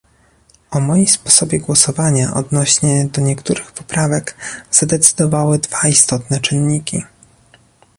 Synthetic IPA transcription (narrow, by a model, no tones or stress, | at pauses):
ɔmɔjimspɔsɔbʲjɛɡwɔsɔvaɲaʔɔ̰d̪nɔɕɲɛd̪ɔɲɛkt̪uɾɘxpɔ̥pɾavɛɡz̥ad̪ɛt̪sɘ̥d̪ɔvawɘd̪vaist̪ɔt̪nɛt͡ʂɘnːikʲḭ